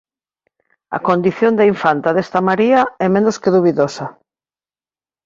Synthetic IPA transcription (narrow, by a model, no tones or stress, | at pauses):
ɐ̰kond̪iθjond̪eiɱfant̪aðest̪amaɾiɐɛmẽnoskeðuβiðosɐ